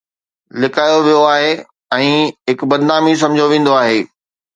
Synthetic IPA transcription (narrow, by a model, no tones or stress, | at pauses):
lɪkaːjoʋijoaːɦe | ɛ̃ːɦɪkbɐd̪naːmis̬ɐ̃md͡ʑʱoʋẽːn̆d̪oaːɦeː